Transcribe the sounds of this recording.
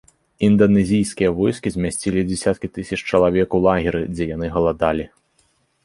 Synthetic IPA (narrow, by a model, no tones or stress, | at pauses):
ind̪ɐnɛzʲijskʲijɐvɔjskʲizʲmʲasʲt͡sʲilʲid͡zʲɛsʲat̪̚kʲit̪ɨsʲɐt͡ʂt͡ʂɐlˠavʲɛkulˠaɣʲiɾɨd͡zʲɛjanɨɣɐlˠad̪alʲi